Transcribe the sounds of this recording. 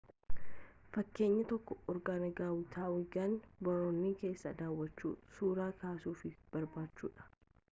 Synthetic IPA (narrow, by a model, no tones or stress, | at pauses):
fɐkːe̞ːɲːɐt̪ɔkːɔɔɾɡaːnɐɡaːwʊt̪ʰaːwɪɡɐnbɐɾoːnːɪke̞ːsːɐd̪aːwːɐt͡ʃːṵːsuːɾaːkaːsuːfɪb̥ɐɾbaːt͡ʃːṵːᶑɐ̥